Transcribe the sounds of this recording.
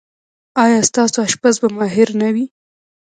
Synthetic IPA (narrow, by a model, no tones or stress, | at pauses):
ɑjɑst̪ɑsoaʃpasbamɑɦɪɾnawi